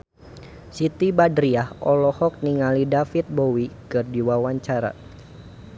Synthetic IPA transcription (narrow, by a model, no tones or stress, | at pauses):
sit̪ibadɾiahɔlɔhɔk̚niŋalidafit̪̚bowikɨrdiwawaɲt͡ʃaɾa̰